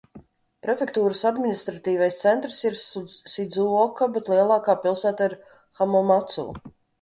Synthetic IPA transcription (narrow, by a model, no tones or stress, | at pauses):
pɾɛfʲekt̪uːɾɨsad̪mʲinist̪ɾat̪iːvajst̪sɛnt̪ɾsiɾsid̪zuɔkabet̪lˠiɛlˠɑːkaːpilˠsæːt̪aiɾ | xamɔmat̪sṵː